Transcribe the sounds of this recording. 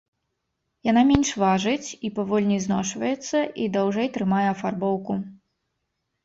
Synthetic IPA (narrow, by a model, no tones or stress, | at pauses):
jan̪amʲenʲʂvaʐɨt͡sʲipavɔlʲnʲijznɔʂvɐjɛt̪sːɐʔid̪awʐɛjt̪ɾɨmajɛɐfarbɔwku